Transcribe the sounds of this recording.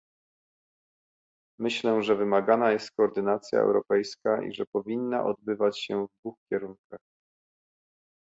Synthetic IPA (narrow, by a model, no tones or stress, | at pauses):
mɘɕlɛʐɛvɘmaɡanajɛst̪̚kɔːɾd̪ɘnat̪sʲja̰ɛ̰wɾɔpɛjskaʔḭʐɛpɔvʲinːa̰ʔɔd̪bɘvat͡ɕɕɛvd̪vuxkʲɛɾuŋkax